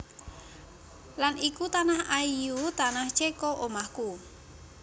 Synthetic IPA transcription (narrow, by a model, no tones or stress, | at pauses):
lanikut̪anahaijut̪anaht͡ʃekɔʔomahku